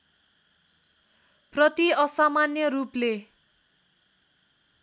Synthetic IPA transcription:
prʌt̪iʌsamanjʌruple

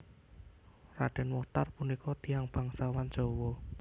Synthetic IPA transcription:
ra̰ɖ̥ɛnwɔht̪arpunikɔt̪i̤aŋb̥a̤ŋsawan̥ʒ̥o̤wɔ

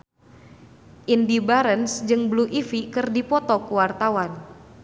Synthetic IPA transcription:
ʔindibaɾənsd͡ʒɨŋbluʔifikɨrdipɔt̪ɔkuwart̪awan

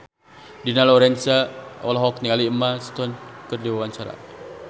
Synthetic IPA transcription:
dinalɔɾɛnsaɔ̰lɔɦɔk̚nialiəmast̪ɔnkərdiwawaɲt͡ʃaɾa̰

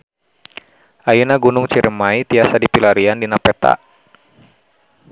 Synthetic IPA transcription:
ʔajunaɡunʊŋt͡ʃiɾəmait̪iasadipilaɾiandinapɛt̪a̰ʔ

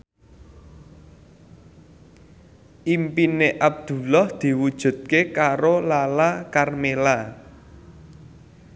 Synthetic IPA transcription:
ʔimpineʔab̚d̪̥ṳlɔhd̪̥i̤wud̥ʒ̥ṳt̪̚kekaɾolalakarmela

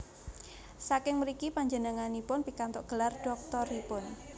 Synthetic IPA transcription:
sakɪŋməɾikipaɲd͡ʒənəŋanipʊnpikant̪ʊʔɡ̥əlard̥ɔk̚t̪ɔɾipʊn

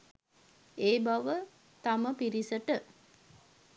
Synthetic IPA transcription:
eːbaʋə | t̪aməpiɾisəʈə

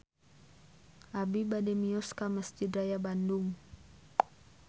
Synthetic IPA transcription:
ʔabibadɛmiɔskaməsd͡ʒid̪rajabandʊŋ

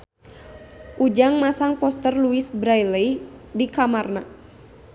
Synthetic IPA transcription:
ʔud͡ʒaŋmasaŋpɔst̪ərluisbɾajləjdikamarna

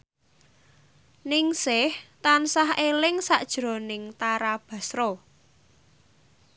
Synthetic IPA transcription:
nɪŋsɪht̪ansahelɪŋsa̰ʔd̥ʒ̥ɾo̤nɪŋt̪aɾab̥ä̤sɾo

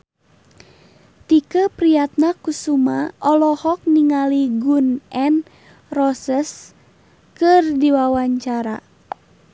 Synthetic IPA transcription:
t̪ikəpɾijat̪̚nakusumaʔɔlɔhɔk̚niŋaliɡunʔɛn | rɔsəs | kɨrdiwawaɲt͡ʃaɾa̰

